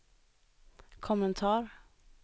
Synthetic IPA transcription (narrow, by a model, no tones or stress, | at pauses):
kʰʊmənt̪ʰɑːɾ